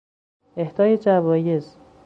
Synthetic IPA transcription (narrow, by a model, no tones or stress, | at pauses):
e̞hd̪ɒːjed͡ʒævɒːje̞z̥